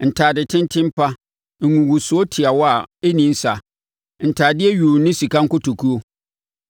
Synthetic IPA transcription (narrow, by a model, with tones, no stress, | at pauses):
n̩˨tʰaː˨dɪ˨tʰɪ̃˦n˦tʰɪ̃˦m˦pʰa˦ | ŋ̩˨ŋũ˨wu˨sʊ˨o˦tʰɪ˨a˨wɔ˦a˨e˦nĩ˨˦n˦sa˨ | n̩˨tʰaː˨dɪ˦ɛ˦ɥu˨˦nɪ̃˦si˨kã˦ŋ̩˦kʊ˦tʰo˨kʰu˦o˦